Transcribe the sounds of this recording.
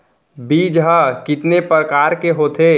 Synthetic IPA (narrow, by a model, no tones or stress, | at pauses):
biːd͡ʒɦəkɪt̪nepɾəkaːɾkeɦoːt̪ʰeː